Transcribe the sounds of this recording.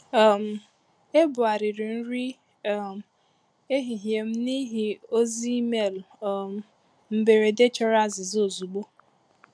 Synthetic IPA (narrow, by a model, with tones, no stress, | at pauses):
m̩˨ | e˦bʊ˨a˨ɾɪ˨ɾɪ˨n̩˦ɾi˦˨ | e˦ɦi˨ɦje˨m̩˦ni˦ɦi˨o˦zi˦i˦me˦˨lm˨ | m̩˦be˨ɾe˨de˦t͡ʃɔ˦ɾa˦zɪ˨zo˨zu˨ɡ͡bo˦